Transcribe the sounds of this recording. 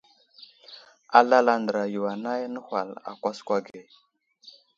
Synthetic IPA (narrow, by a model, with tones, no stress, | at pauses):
a˨la˦la˨ndə˨ɾa˨ju˨wa˨na˦jnə˦hʷa̰˨la̰˨kʷa˦skʷa˦ɡe˨